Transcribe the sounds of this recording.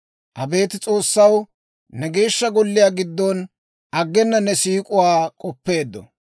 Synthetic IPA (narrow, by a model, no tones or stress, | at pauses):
ʔɐbe̞ːt̪ɪt͡sʼo̞ːsːɐw | nɛɡe̞ːʃːɐɡɔlːɪjaːɡɪd̪ːɔn | ʔɐɡːɛnːɐnɛsiːkʼʊwaːkʼɔpːe̞ːd̪ːɔ̰